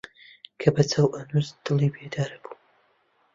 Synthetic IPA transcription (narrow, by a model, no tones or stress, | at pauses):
kʰɐbɐt͡sʰɐwʔɐnuzd̪̥ɨlˠiːbed̪aːɾɐb̥u̥